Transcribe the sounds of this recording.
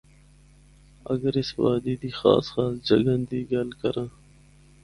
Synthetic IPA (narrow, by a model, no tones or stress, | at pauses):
ə̰ɡəɾɪsʋaːd̪iːd̪iːxa̰ːsxaːsd͡ʒəɡənd̪iːɡəlkəɾãː